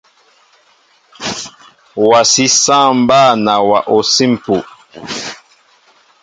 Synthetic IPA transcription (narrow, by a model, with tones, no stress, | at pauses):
wa˨si˦sã˦˨mba˦˨na˨wa˨ʔo˨si˦m˨pu˨